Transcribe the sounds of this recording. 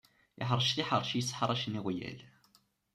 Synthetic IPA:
ɪ̰ħəɾˤʃθiħəɾˤʃjəsːħɾˤæʃniʁjæ̰l

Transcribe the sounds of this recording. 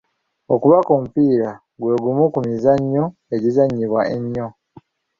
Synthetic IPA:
okuβako̞ːmupiːɾa | ɡwe̞ːɡumukumizaɲːo | e̞ɟizaɲːiβwaeɲːo̞

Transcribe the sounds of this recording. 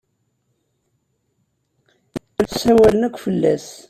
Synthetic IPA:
əɾθsæwælənəkʷːfəlːæ̰s

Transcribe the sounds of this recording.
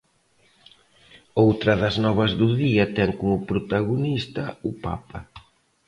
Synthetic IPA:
owt̪ɾɐðɐznɔβɐzðʊðiɐt̪ɛŋkomʊpɾot̪aɣonist̪ɐʊpa̰pɐ

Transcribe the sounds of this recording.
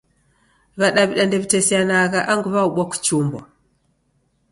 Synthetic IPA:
βaɗaβiɗandɛβitesianaɣaʔaŋɡuβauɓʷaku̥t͡ʃumbɔ̰

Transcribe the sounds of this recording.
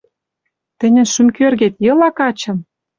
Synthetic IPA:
t̪ɘ̆nʲɘ̆nʃymkørɣet̪jɤ̆lɑkɑt͡ɕɤ̆m

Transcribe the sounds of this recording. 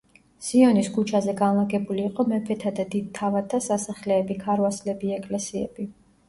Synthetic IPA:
siɔniskʰut͡ʃʰazɛɡanlˠaɡɛbuliːqʼɔmɛpʰɛt̪ʰad̪ad̪id̪̚t̪ʰːavat̪ʰːasasaχlɛːbikʰaɾwaslɛbiɛkʼlɛsiɛ̰b̥i

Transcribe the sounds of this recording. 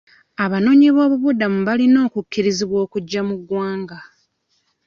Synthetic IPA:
aβano̞ːɲiβo̞ːβuβudamuβalino̞ːkukːiɾiziβwo̞ːkuɟːamuɡwaːŋɡa

